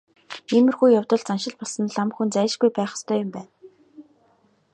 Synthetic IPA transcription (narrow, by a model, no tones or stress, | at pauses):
eːmɘ̆rxuːjawt̪ɞ̆ɮt͡sanʃɪ̆ɮpɔɮsɞ̆nɮamxunt͡sæːʃɡujpæːχə̥̆st̪ʰœːjʊmpæːn